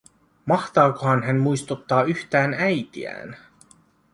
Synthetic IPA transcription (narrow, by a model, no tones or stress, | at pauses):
mɑht̪ɑːkoɦhɑnɦænmujst̪ut̪ːɑːyçt̪æːnæjt̪ḭæ̰ːn